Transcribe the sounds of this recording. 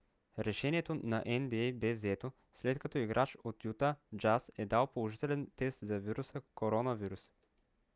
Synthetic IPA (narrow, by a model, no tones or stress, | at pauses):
ɾɛʃɛniɛt̪onɐʔɛnbiɛjbɛvzɛt̪o | slɛt̪kɐt̪ɔiɡɾʔat͡ʃot̪jut̪ad͡ʒasɛd̪alˠpolˠoʒit̪ɛlɛnt̪ɛst̪zɐviɾusəkoɾɔnɐviɾus